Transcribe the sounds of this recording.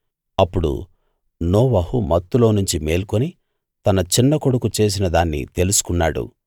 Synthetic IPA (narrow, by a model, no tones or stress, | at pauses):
ɐpːuɽṵ | noːʋɐhumɐt̪ːulo̞ːnuɲt͡ʃimeːlkoni | t̪ɐnɐt͡ʃinːɐko̞ɽukut͡ʃe̞ːs̬inɐd̪aːnːḭt̪e̞lusu̥kunːaːɽṵ